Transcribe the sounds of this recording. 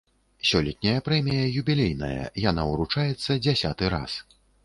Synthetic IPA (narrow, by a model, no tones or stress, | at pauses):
sʲɔlʲɛt̪̚ʲnʲɐjɐpɾɛmʲijɐjubʲilʲejnɐ̰jɐ̰jan̪auɾut͡ʂajɛt̪sːɐd͡zʲasʲat̪ɨɾa̰s